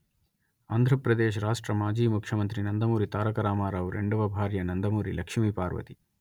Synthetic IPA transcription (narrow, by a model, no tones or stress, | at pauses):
aːnd̪ʱɾɐpɾɐd̪eːʃ̬ɾaːʂʈɾɐmaːd͡ʒiːmukʰjɐmɐnt̪ɾinɐnd̪ɐmuːɾit̪aːɾɐkɐɾaːmaːɾaːʋɾḛɳɖɐʋɐbʱaːɾjɐnɐnd̪ɐmuːɾilɐkʂmipaːɾʋɐ̰t̪i